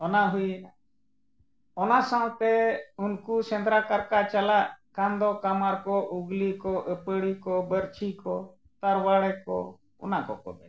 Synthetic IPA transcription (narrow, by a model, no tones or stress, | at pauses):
ɔnaɦujna | ɔnasãw̃t̪ɛunkusɛnd̪ɾakaɾkat͡ʃalaʔkand̪ɔkamaɾkɔʔuɡlikɔʔəpəɽikɔbəɾt͡ʃʰikɔ | t̪aɾwaɽɛkɔ̰ | ɔ̰nakɔ̰kɔ̰b̪ɛ̰